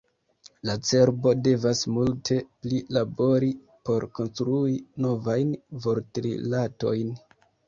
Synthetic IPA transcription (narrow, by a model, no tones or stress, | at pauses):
lat͡se̞ɾbo̞de̞vasmultʰe̞plilabo̞ɾi | po̞ɾko̞nstɾuino̞vajnvoɾtɾḭlato̞jn